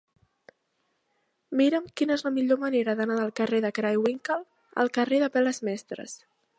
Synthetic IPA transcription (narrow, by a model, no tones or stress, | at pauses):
miɾəmkinəezləmiʎoməneɾəðənaðəlˠkəreðəkɾajwiŋkəlˠ | ə̰lˠkəreðəpɛləzmɛst̪ɾə̰s